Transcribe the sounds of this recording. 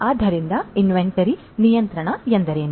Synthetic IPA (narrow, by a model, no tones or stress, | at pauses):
aːd̪ʱɐɾind̪ɐinʋeɳʈɐɾi | nijɐnt̪ɾɐɳɐjɐnd̪ɐɾeːnu